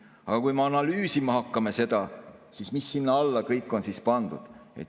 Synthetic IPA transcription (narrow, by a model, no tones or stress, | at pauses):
ɑɡ̥ɑkujmeɑnɑlyːsimɑhɑkːɑmese̞d̪̥ɑsismisːinːɑɑlːɑkɤjkːˑo̞nsispɑnd̪̥ṵd̪̥e̞̰t̪